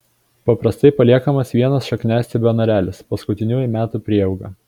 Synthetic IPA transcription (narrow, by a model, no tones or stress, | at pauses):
pɐpɾɐst̪ɐɪpɐlʲiɛkɐmɐsʋʲiɛnɐsʃɐknʲæːsʲt̪ʲɪbʲɛɔnɐɾʲæːlʲɪspɐskʊt̪ʲɪnʲuːjʊmʲæːt̪ʊˑpʲɾʲiɛɛʊɡɐ